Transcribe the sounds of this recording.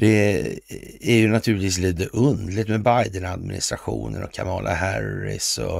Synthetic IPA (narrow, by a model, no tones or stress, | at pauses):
d̪̥ɛ | æɾjɵnat̪ʰʉ̟lɪt̪viːs̬liːt̪əʔɵnd̪lɪt̪mɛbajd̪ənad̪mɪnɪ̰st̪ɾaɧṵːnənɔkʰamɑːlʔaɦæɾɪ̰sɔ